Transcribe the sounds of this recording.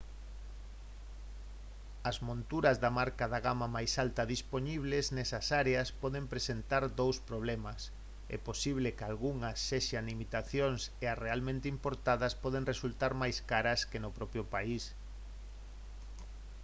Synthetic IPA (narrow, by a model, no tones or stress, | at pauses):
ɐzmõnt̪uɾɐzðamaɾkaðaɣamamajsalt̪ɐðispoɲiβ̞leznɛsɐsaɾeɐspɔðempɾesent̪aɾd̪owspɾoβ̞lɛmɐs | ɛ̰posiβ̞lekalɣuŋɐsːeʃanlimit̪aθjoŋsearealmẽnt̪ɪimpoɾt̪aðɐspɔð̞eŋresult̪aɾmajskaɾɐskenʊpɾɔpɾjʊpais